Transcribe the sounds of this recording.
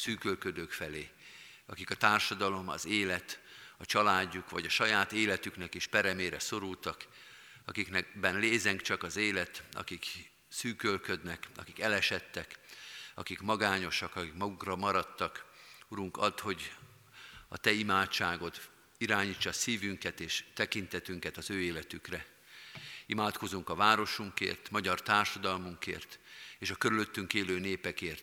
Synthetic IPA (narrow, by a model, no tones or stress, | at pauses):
syːkølkød̪øːkfɛleː | ɒ̰kikɒt̪aːrʃɒd̪ɒlo̞mɒ̰zeːlɛt̪ɒt͡ʃɒlaːɟːukʋɒɟɒʃɒjaːt̪eːlɛt̪yknɛkeʃpɛɾɛmeːɾɛso̞ɾult̪ɒk | ɒkiknɛbɛnleːzɛŋkt͡ʃɒkɒzeːlɛt̪ɒ̰kik | syːkølkød̪nɛkɒ̰kikɛlɛʃɛt̪ːɛkɒ̰kikmɒɡaːɲo̞ʃɒkɒkikmɒɡukrɒmɒɾɒt̪ːɒkuɾuŋkɒt̪ho̞ɟ | ɒ̰t̪ɛimaːt͡ʃːaːɡo̞t̪ | iɾaːɲiːt͡ʃːɒsiːvyŋkɛt̪eːʃt̪ɛkint̪ɛt̪yŋkɛt̪ɒzøːeːlɛt̪ykrɛ | imaːt̪ko̞zuŋkɒvaːɾo̞ʃuŋkḛːrt̪mɒɟɒrt̪aːrʃɒd̪ɒlmuŋkḛːrt̪eːʃɒkøɾylø̞t̪ːyŋkeːløːneːpɛkeːrt̪